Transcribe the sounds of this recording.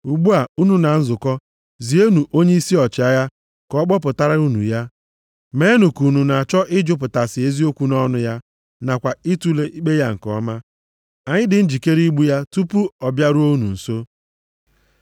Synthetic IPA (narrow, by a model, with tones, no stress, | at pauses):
u˨ɡ͡bu˦a˨u˦nu˦na˨n̩˦zʊ˨kɔ˦ | zi˨o˦nu˨ʔo˦ɲe˦i˦si˦ɔ˨t͡ʃɪ˨a˦ja˦ | kɔ˨˦k͡pɔ˦p̬ʊ˨ta˦ɾa˦ɾu˦nṵ˨ja˦ | me˨˦nu˨ku˨nu˨na˨a˨t͡ʃɔ˦ʔɪ˦d͡ʒʊ˦p̬ʊ˨ta˨sɪ˨e˦zi˦o˦kʷu˦nɔ˦nʊ˦ja˦ | na˨kʷa˨i˦tu˦le˦ʔi˦k͡pe˦ja˦ŋ̩˨kɔ̰˦ma˦ | a˨ɲɪ˦dɪ˨n̩˦d͡ʒi˨ke˦ɾi˦ɡ͡bu˦ja˦tu˦pu˦ɔ˨bja˦ɾu˦o˦nṵ˨n̩˨so˦